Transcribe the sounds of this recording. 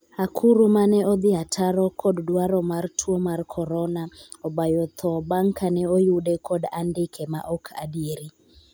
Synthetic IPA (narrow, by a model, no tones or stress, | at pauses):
akʰuɾumanɛɔd̪ɪatʰaɾɔkʰɔddwaɾɔmartʰuɔmarkʰɔɾɔnaɔbajɔt̪ʰɔbaŋkʰanɛɔjudɛkʰɔdandɪkʰɛma̰ʔɔkʰa̰dieɾi